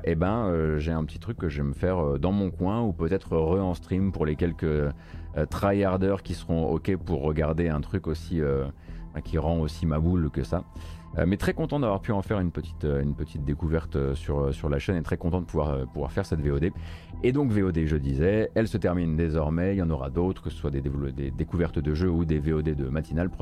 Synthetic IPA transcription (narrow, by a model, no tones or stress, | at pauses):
ʔebɛ̃øʒeɛ̃pət̪ʰi̥t̪χykːəʒɛməfɛʁød̪ɑ̃mɔ̃kwɛ̃upøt̪ɛt̪χəʁəɑ̃st̪χimpuʁlekʲɛlkə | t̪χajaʁd̪œʁkʲisəʁɔ̃ɔ̰kʲɛpuʁːəɡaʁd̪eɛ̃t̪χykosiøfɛ̃kʲʰiʁɑ̃osimabulkə̰saø̰mɛt̪χɛkɔ̃t̪ɑ̃d̪avwaʁpyɑ̃fɛʁynpət̪i̥t̪øynpət̪ʰit̪̚d̪ekuvɛʁt̪øsyʁøsyʁlaʃɛnet̪χɛkɔ̃t̪ɑ̃d̪əpuvwaʁøpuvwa̰ʁfɛʁsɛt̪veod̪e | ed̪ɔ̃kveod̪eʒəd̪izɛɛlsət̪ɛʁmind̪ezɔʁmɛilɑ̃nɔʁa̰d̪ot̪χə̥kəsə̥swad̪ed̪ḛd̪ekuvɛʁt̪d̪əʒøud̪eveod̪ed̪əmat̪inalpχ